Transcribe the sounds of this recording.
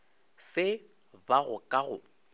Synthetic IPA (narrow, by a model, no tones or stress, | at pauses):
sɪ | baɣʊkʼaɣʊ̰